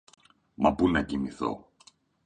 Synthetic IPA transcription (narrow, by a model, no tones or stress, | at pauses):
mɐbunɐcimiθo̞̰